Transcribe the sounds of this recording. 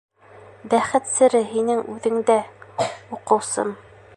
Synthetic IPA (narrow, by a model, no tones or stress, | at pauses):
bæχɘt̪sɘ̆ɾɘɦinɘŋʉðɘ̆ŋd̪æ | uqɤ̆wsɤ̰m